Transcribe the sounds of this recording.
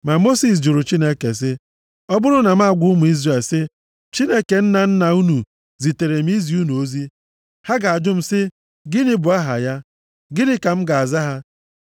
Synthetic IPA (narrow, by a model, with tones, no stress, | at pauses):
ma˨mo˦si˨s̬d͡ʒʊ˨ɾʊ˨t͡ʃi˦ne˦ke˨s̬ɪ˦ | ɔ˦bʊ˦ɾʊ˦na˨m̩˦a˦˨ɡʷʊ˦ʊ˦mʊ˨i˦zɾa˨sɪ˦ | t͡ʃi˦ne˦ke˨n̩˦na˨n̩˦na˨u˦nu˨ | zi˨te˨ɾe˨m̩˦i˦zi˨u˦nu˨o˦zi˦ | ha˦ɡa˨a˨d͡ʒʊ˦m̩˨sɪ˦ | ɡɪ˦nɪ˦bʊ˨a˦ɦa̰˨ja˦ | ɡɪ˦dɪ˦ka˨m̩˦ɡa˨a˨za˦ɦa˦